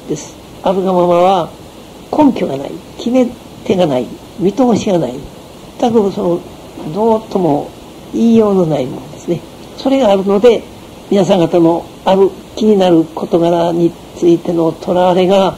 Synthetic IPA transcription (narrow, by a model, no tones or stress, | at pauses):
d̪̥e̞sɨ̥ | abɯ̟ɡamamaβa | kʰõ̞ŋkʲo̞ɡana̰ḭkʲime̞ | t̪e̞ɡanai | mʲit̪o̞ːɕiɡanai | mat̪ːakɯ̟sono | d̪o̞ːt̪o̞mo̞ | iːjo̞ːnonaimõnd̪e̞sɨne̞ | so̞ɾe̞ɡaːɾɯ̟no̞d̪e̞ | mʲinas̬ãŋɡat̪ano̞ | abɯ̟kʲiɲ̟inaɾɯ̟kʰo̞t̪o̞ɡaɾaɲ̟i | t͡sɨit̪e̞no̞t̪ʰo̞ɾaβaɾe̞ɡa